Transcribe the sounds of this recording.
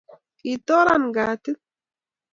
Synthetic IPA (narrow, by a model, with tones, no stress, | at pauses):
kʼiːt̪ːɔː˦ɾanɡaː˨t̪ɪ˦